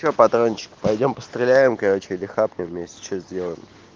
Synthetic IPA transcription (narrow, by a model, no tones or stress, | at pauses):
opɐt̪ɾonʲɪt͡ɕɪ̥kpɐjdʲo̞mpə̥st̪ɾʲɪlʲæjɪmkɐɾo̞t͡ɕɪɪlʲɪxapnʲɪmmʲesʲtʲt͡ɕoszʲdʲelˠəjɪ̰m